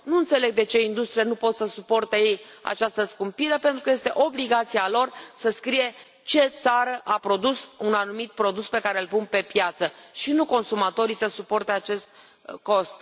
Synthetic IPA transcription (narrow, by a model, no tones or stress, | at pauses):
nuɨnt̪se̞le̞ɡ̚d̪e̞t͡ʃe̞ind̪ust̪ɾianupo̞t̪səsupo̞rt̪e̞jeja̰t͡ʃast̪əskumpiɾe̞pe̞nt̪ɾukəje̞st̪e̞ʔo̞bliɡat̪sialo̞rsəskɾije̞ | t͡ʃe̞t̪saɾəʔapɾo̞d̪usunanumit̪̚pɾo̞d̪uspe̞kaɾelpunpe̞pjat̪səʃinuko̞nsumat̪o̞ɾisəsupo̞rt̪e̞at͡ʃe̞st̪̚ | ko̞st̪